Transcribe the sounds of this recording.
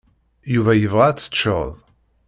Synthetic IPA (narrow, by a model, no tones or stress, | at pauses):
juvæjəvʁat͡sːə̥t͡ʃːə̰ðˤ